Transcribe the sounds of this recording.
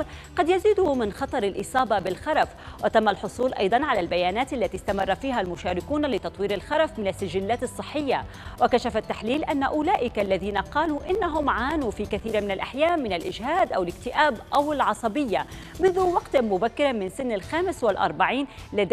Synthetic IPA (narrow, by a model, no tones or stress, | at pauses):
ɾ | qɑd̪jaziːd̪ʊmɪnxɑt̪ˤɑɾˤɪlʔɨsˤɑːbɑbɪlxɑɾˤɑfwʔat̪amːalħʊsˤuːlʔɑ̰jd̪ˤɑnʕalalbajaːnaːt̪ʔalːat̪ist̪amɑrˤːɑfiːɦalmʊʃaːɾɪkuːnlɪt̪ɑt̪ˤwiːɾɪlxɑɾˤɑfmɪnasːaʒɪlːaːt̪ɨsˤːɨħːɪjːa | wakaʃafat̪ːaħliːlʔanːaʔʊlaːʔɪkalːaðiːnaqɑːluʔɪnːaɦʊmʕaːnufiːkaθiːɾmɪnalʔaħjaːʔmːɪnalʔɪd͡ʒhaːd̪ʔawɪlɪkt̪ɪʔaːbʔawɪlʕɑsˤɑbɪjːa | mʊnðʊwɑɡt̪mʊbakːɪɾmɪnsɪnːalxaːmɪswɪlʔɑ̰ɾˤbaʕiːnlad̪